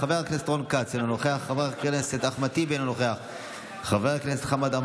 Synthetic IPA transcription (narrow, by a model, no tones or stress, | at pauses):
aveʁaknest̪ʁonkat͡senonoχeaχːaveʁkeleset̪aχmat̪ibenonoχeaχ | χaveʁakleset̪χamad̪am